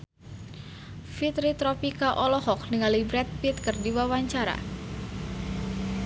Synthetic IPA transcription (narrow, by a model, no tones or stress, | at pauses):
fit̪ɾit̪ɾɔpikaʔɔlɔhɔk̚niŋalibɾɛt̪̚pit̪kɨrdiwawaɲt͡ʃaɾa̰